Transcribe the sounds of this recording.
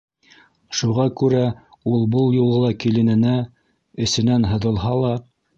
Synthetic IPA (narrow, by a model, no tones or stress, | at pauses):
ʃuʁɑkʉɾæ | ulˠbɤlˠjulˠɤlˠɑkilɘ̆nɘ̆næ | ɘ̆sɘ̆nænɦɤ̆ðɤ̆lˠɦɑlˠɑ